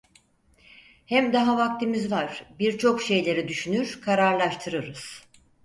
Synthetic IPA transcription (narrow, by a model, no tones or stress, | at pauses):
hæmd̪aɦavak̚t̪ʰimizvaɾ̥biɾt͡ʃʰo̞kʃe̞jlʲe̞ɾid̪yʃynyɾ̥kʰaɾaɾlˠaʃt̪ʰɯɾɯɾɯz̥